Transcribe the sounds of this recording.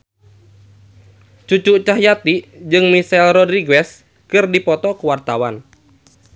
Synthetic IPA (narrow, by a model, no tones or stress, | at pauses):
t͡ʃut͡ʃuʔt͡ʃaɦjat̪id͡ʒɨŋmisɛlrɔdɾiɡɛs | kɨrdipɔt̪ɔkuwart̪awan